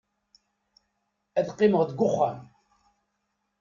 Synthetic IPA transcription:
æðqːɪməʁðəɡʷʊχːæm

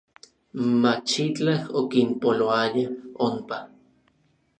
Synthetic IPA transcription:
mat͡ʃit͡ɬahokimpoloajaompa

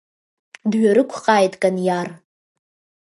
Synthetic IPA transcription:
dɥaɾɨkʷʰqʼaːjtʼkʼanjar

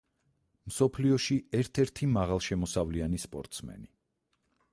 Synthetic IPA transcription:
msɔpʰliɔʃiɛɾt̪ʰɛɾt̪ʰimaʁalˠʃɛmɔsavlianispʼɔɾt̪ʼsmɛ̰ni

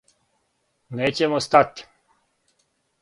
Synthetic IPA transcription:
neːt͡ɕemost̪at̪ʲ

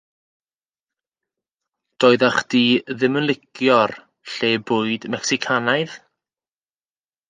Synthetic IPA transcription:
d̥ɔːɨðaχd̥iːðɪmənlˠɪkjɔr | ɬeːbʊːɨdmɛksikʰanajð

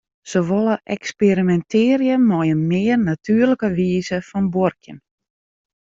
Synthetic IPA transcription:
soʋolˠəʔɛkspeɾimɛntʰɪːrjəmɔjənmɪːərnatʰyːərləkəʋiːzəfɔnborkjən

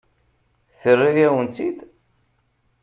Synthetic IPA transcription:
θərːijæwənt̪ːid̪

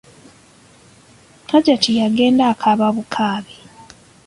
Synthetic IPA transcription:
kʰaɟatʰijaɡe̞ːndakʰaβaβukʰaːβe

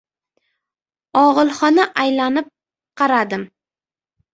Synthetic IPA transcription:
ɒʁɨlˠχɒnaʔajlanɪp̚ | qʰɑɾad̪ɪm

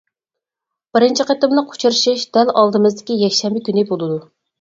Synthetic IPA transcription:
b̥ɪɾɪnt͡ʃʰiqet̪ɨmlɨqʰo̥t͡ʃʰuɾɨʃiʃd̪ɛlɑlˠd̪ɨmɨzd̪ɪkʲijɛkʲʃɛmbɪkʲynɪbolˠɨd̪u

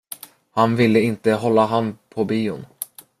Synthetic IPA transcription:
hanvɪlːəɪnt̪əɦɔlːaɦanpʰɔbiːʊ̰n

